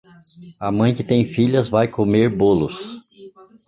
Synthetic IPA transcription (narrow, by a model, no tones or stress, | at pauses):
ɐmɐ̃j̃kɪt̪ẽj̃fiʎɐzvajkomeɾbolʊs